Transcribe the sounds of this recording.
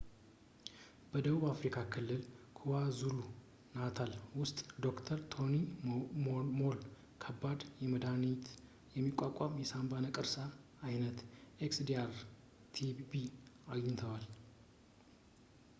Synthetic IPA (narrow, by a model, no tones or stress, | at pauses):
b̥əd̪əβuβafɾikʰakʰɨlːɨlkʰuwazulu | nat̪ʰalwʊst̪ʼd̪o̞kt̪ʰəɾt̪ʰo̞ni | mol | kʰəbːad̪jɛməd̪anit̪ʰ | jɛmːikʷʼːakʼamjɛsambanəkʼɨɾsaː | jnət̪ʔeksd̪iaɾ | t̪ʰibiaɡɪɲt̪ʰəwal